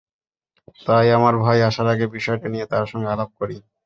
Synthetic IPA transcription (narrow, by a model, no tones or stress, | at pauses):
t̪ajamaɾbʱɔjaʃaɾaɡebiʃɔeʈanijet̪aɾʃɔŋɡealab̚koɾi